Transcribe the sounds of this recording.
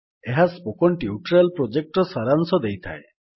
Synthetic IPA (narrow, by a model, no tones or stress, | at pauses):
eɦaspokɔɳʈiuʈɾalpɾod͡ʒek̚ʈɾɔsaɾansɔd̪ejt̪ʰa̰e